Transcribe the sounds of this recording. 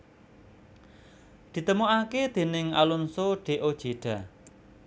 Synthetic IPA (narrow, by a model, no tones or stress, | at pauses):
d̪̥i̤t̪əmoʔaked̪̥e̤nɪŋa̰lunsoɖ̥e̤ʔod̥ʒ̥e̤ɖ̥a̤